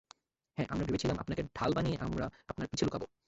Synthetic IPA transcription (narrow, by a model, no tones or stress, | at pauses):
hɛ̃ʔamɾabebet͡ɕʰilamʔa̰pnakeɖʱalbanieʔamɾa̰apnaɾpit͡ɕʰelukʰabo